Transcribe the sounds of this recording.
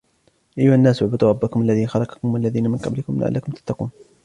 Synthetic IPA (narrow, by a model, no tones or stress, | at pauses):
ʔajːʊhanːaːsʊʕbɨd̪ˤuːɾˤɑbːakʊmʔalːaðiːnxɑlˤɑkɑ̥kʊmalːaðiːnamɪnqɑ̰blɪkʊmla̰ʕa̰lːakʊmt̪ḁt̪ːɑqṵːn